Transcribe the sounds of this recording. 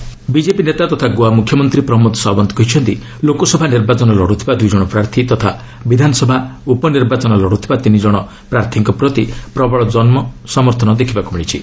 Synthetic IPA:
bid͡ʒepinet̪at̪ɔt̪ʰaɡoamukʰjɔmɔnt̪ɾipɾɔɦmɔt̪ɔ̥sɔbɔnt̪ʰɔkɔɦit͡ʃʰɔnt̪i | lokɔsɔbʱaniɾbat͡ʃɔnɔlɔɽut̪ʰibad̪ujd͡ʒɔɽ̃ɔpɾaɾt̪ʰit̪ɔt̪ʰa | bid̪ʱanɔsɔbʱaupɔniɾbat͡ʃɔnɔlɔɽut̪ʰibat̪inid͡ʒɔɽ̃ɔ | pɾaɾt̪ʰiŋkɔpɾɔt̪ipɾɔbɔɭɔd͡ʒɔnmɔsɔmɔɾt̪ʰɔnɔd̪ekʰibakumiɭ̃it͡ʃʰi

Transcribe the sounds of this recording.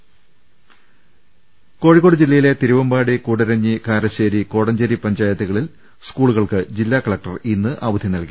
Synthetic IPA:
ko̞ːɻikoɽɨd͡ʑilːɐjile̞t̪iɾuʋɐmbaːɽikuːɽɐɾɐɲːikaːɾɐɕeːɾiko̞ːɽɐɲd͡ʑɐɾipɐɲd͡ʑaːjɐt̪ːɐɣɐɭil | skuːɭuɣɐɭkɨd͡ʑilːaːkɐɭɐk̚ʈɐrinːɨʔaːʋɐd̪ʱjɐnɐlki

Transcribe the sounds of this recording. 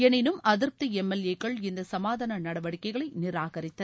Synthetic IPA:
ɛnɪnɯmʔɐðɪɾp̚t̪ɯɛmːɛlekːɐɭɪnd̪ɐsɐmaːðɐnɐnɐɽɐʋɐɽɪkːɐɪɣɐɭɐɪnɪɾaːɣɐɾɪt̪ːɐ

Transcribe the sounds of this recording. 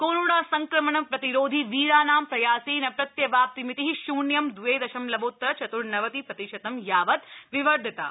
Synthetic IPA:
koːnuɽaːsɐŋkɾɐmɐɳɐpɾɐt̪iɾoːd̪ʱiʋiːɾaːnaːmpɾɐjaːsinɐpɾɐt̪jɐʋaːp̚t̪imit̪iɦiʃuːɳjɐmd̪ʱueːd̪ɐʃɐmlɐboːt̪ːɾɐt͡ʃɐt̪uɽnɐʋɐt̪ipɾɐt̪iʃɐt̪ɐmjaːʋɐt̪̚ʋiʋɐɾd̪ʱt̪a̰ː

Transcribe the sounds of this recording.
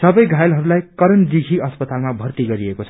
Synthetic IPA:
sʌbʌjɡʱajlɦʌɾulajkʌɾʌnd̪ikʰiʌspʌt̪almabʱʌrt̪iɡʌɾiekot͡sʰʌ

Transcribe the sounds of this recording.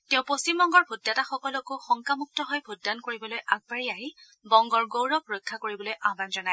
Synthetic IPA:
tɛʊ̃post͡ʃimbɔŋɡɔɹbʱudːataxɔkɔlɔkʊxɔŋkamuk̚tɔɦɔjbʱudːankoɹibɔlojʔaɡ̚baɹiaɦi | bɔŋɡɔɹɡowɹɔkɹojkʰːakoɹibɔlojʔabanzɔnaj

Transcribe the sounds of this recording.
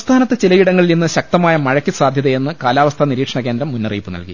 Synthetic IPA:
st̪ʰaːnɐt̪ːɨt͡ɕilɐjiɽɐŋːɐɭilninːɨɕɐk̚t̪ɐmaːjɐmɐɻɐkʲːisaːd̪ʱjɐðɐje̞nːɨkaːlaːʋɐst̪ʰɐniɾiːkʂɐɳɐke̞ːnd̪ɾɐmːunːɐrḭːpːɨnɐ̰lki

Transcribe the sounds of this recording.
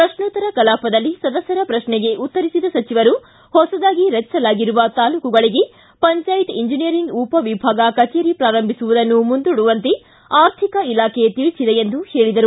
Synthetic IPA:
pɾɐʃɳut̪ɐɾɐkɐlaːpɐd̪ɐlːisɐd̪ɐsːɐɾɐpɾɐʃnɛɡe̞ʔut̪ːɐɾisid̪ɐsɐt͡ʃiʋɐɾu | hɔsɐd̪aːɡiɾɐt͡ʃːsɐlaːɡiɾuʋɐt̪aːluːkuɡɐɭiɡe̞ | pɐɲt͡ʃaːjit̪iɲd͡ʒinijɐɾiŋɡuːpɐʋibʱaːɡɐkɐt͡ʃeːɾipɾaːɾɐmbʱisuʋud̪ɐnːumund̪uɽuʋɐnt̪e | aːɾt̪ʰikɐilaːkʰet̪iɭt͡ʃid̪eend̪uhe̞ːɭid̪ɐɾu

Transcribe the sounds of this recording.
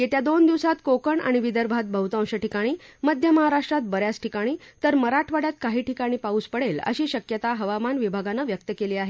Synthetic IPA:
jet̪jad̪ond̪iʋsat̪kokəɳa̰ɽ̃iʋid̪əɾbʱat̪̚bʱəɦut̪ãw̃ɕəʈikaɽ̃iːməd̪ʱjəməɦaɾaʂʈɾat̪̚bəɾjasʈʰikaɽ̃iːt̪əɾməɾaʈʰʋaɽjat̪kaɦiːʈikaɽ̃iːpauːspəɽelə̰ɕiːɕəkjət̪aɦəʋamanʋibʱaɡanəʋjək̚t̪əkeliːaɦe

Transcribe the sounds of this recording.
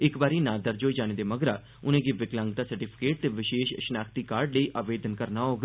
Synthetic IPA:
ɪkbaːɾiːnãːd̪əɾd͡ʒoːd͡ʒaːneːd̪eːməɡɾaː | ʊnẽːɡiːʋɪklə̃ŋɡt̪aːsəɾʈiːpʰɪ̥keːʈ̚t̪eːʋɪʃeːʃʃənaːkʰt̪iːkaːɾɖləiːʔaːʋeːd̪ənkəɾnaːɦoːɡ

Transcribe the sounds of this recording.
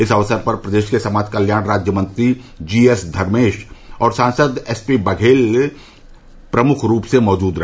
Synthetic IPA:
ɪsɐʋsəɾpɐɾpɾəɐd̪eːʃkesɐmaːd̪kɐljaːɽ̃ɾaːd͡ʒjəmə̃nt̪ɾid͡ʒiːesd̪ʱɐɾmeːʃɔːɾsãːnsəd̪ɛspibɐɡʱeːl | pɾɐmʊkʰɾuːpsemɔːd͡ʒuːd̪ɾɐɦ

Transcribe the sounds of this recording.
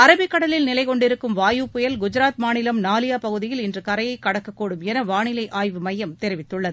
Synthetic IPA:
ɐɾɐbɪkːɐɽɐlɪlnɪlɐɪkɔɳɖɪɾɯkːɯmʋaːjupːʊjɐlɡʊd͡ʒɪɾaːt̪maːɳɪlɐmnaːlɪjaːpɐɣɯðɪjɪlɪndrɯkɐɾɐjɐɪkːɐɽɐkːɐkːoːɽɯmɛnɐʋaːɳɪlɐɪʔaːjʋɯmɐjːɐmt̪ɛɾɪʋɪt̪ːɯɭːɐðɯ

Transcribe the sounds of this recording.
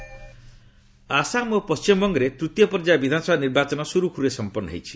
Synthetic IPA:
asamopɔst͡ʃimɔbɔŋɡɔɾet̪ɾut̪jɔpɔɾd͡ʒabid̪ʱanɔsɔbaniɾbat͡ʃɔnɔsuɾukʰuɾuɾesɔmpɔnːɔ̰ɦḛjt͡ʃʰi̥

